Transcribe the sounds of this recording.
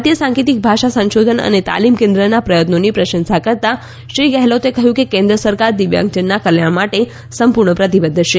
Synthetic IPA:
t̪ijəsãŋkit̪ik̚bʱaʃasə̃ʃod̪ʱənə̰net̪a̰limkẽnd̪ɾənapɾəjət̪nonipɾəʃə̃nsakəɾt̪a | ʃɾiɡɛɦlot̪ekəɦjũkekẽnd̪ɾəsəɾkaɾd̪iʋjã̰ŋɡt͡ʃənːakəljaɳ̃maʈe | səmpuɾɳəpɾət̪ibəd̪ʱːʃe

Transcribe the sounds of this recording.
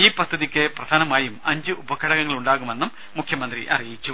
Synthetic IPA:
iːpɐd̪ʱːɐðikʲːɨprɐd̪ʱaːnɐmaːjumɐɲd͡ʑɨʔubɐkʰːɐɽɐɣɐŋːɐɭuɳɖaːɣume̞nːumːukʰjɐmɐnd̪rḭʔɐ̰rijit͡ɕːu

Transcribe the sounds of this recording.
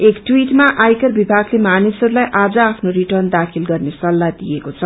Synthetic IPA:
ekʈwiʈmaʔajkʌrbibʱaɡlemanisʌɾulajʔad͡zʌapʰnoriʈʌrnd̪akʰilɡʌrnesʌlːad̪ijekot͡sʰʌ

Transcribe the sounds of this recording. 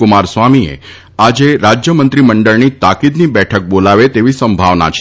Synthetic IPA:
umaɾsʋamiḛ | ad͡ʒeɾad͡ʒjəmənt̪ɾiməɳɖəɭnit̪akid̪nibɛʈʰək̚bolaʋet̪eʋisəmbʱaʋna̰t͡ʃʰ

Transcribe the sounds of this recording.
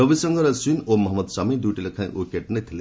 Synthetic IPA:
ɾɔbisɔŋɡɔɾɔswinomɔɦɔmɔd̪samid̪uʈilɔkʰãj̃ʔukeʈnet̪ʰilẽ

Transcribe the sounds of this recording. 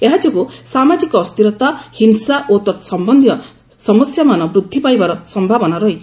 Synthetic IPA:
eɦat͡ʃukusamad͡ʒikɔːst̪iɾɔt̪ahinsaʔot̪ɔt̪sɔmbɔnd̪ʱi | sɔmɔsjamanɔbɾud̪ʱːipajbaɾɔsɔmbʱabɔnaɾɔɦit͡ʃʰi̥

